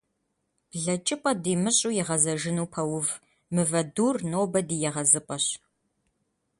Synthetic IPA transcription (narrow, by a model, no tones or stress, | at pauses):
b̥ɮɐt͡ʃʼɪpʼɐdiːmɨɕʼuːjɛʁɐzɐʒɪnuːpʰɐwʊv | mɨvɐduːrnoːbɐdiːjɛʁɐzɨpʼɐɕ